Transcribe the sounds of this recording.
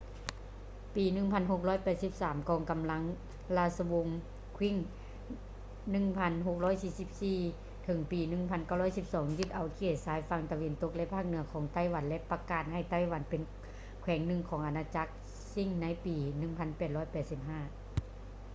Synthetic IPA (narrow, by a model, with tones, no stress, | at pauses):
piː˨nɯ˧˩ŋpʰa˧˥˨nɦo˧˩k̚lɔː˧˥˩jpɛː˨˩t̪̚si˧˥p̚saː˩˦mkɔː˨˩ŋka˧˨mla˧˥ŋ | laː˧˩sa˧wo˧˥ŋ | kʰwi˧˥˨ŋ | nɯ˧˩˨ŋpʰa˧˥nɦo˧k̚lɔː˧˥˨jsiː˧˩si˧˥p̚siː˧ | t̪ʰɤ˨˦ŋpiː˨˩nɯ˧˩˨ŋpʰa˧˥nka˧˩wlɔː˧˥˩jsi˧˥p̚sɔː˨˩˦ŋjɯ˧˩t̪̚ʔa˨˩wkʰeː˧˩t̪̚saː˨˦jfa˧˥ŋt̪a˧we˧nt̪o˧˥k̚lɛ˧ʔpʰaː˥˩k̚nɯ˨˧˦ɐkʰɔː˨˦ŋt̪a˧˩˨jwa˧˦nlɛ˧ʔpa˧kaː˨˩t̪̚ha˧˩jt̪a˧˥˩jwa˧˦npe˨n | kʰwɛː˨˩˦ŋnɯ˧˨ŋkʰɔː˨˦ŋʔa˧˩naː˧t͡ɕa˧˦˥k̚ | si˧˩ŋna˧˥jpiː˨˩nɯ˧˩ŋpʰa˧˥˨npɛː˨˩t̪̚lɔː˧˥˩jpɛː˨˩t̪̚si˧˦p̚ɦaː˧˥˩